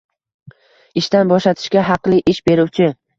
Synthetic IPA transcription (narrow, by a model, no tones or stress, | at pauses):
ɪʃt̪anbɒʃlat̪ʰɪ̥ʃkʲaɦɑqlˠɪʔɪʃbe̞ɾuwt͡ʃʰɪ